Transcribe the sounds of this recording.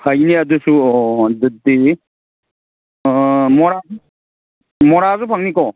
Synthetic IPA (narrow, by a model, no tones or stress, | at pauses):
hʰajniɐdusuɔdɯdi | mɔɾazu | mɔɾazupʰaŋnikɔ